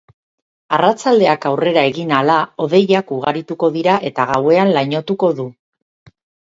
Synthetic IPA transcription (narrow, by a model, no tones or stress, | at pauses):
arat͡sald̪e̞akawre̞ɾae̞ɣinalao̞ð̞e̞jakuɣ̞aɾit̪uko̞ðiɾaʔe̞t̪aɣawe̞anlaɲo̞t̪uko̞ðu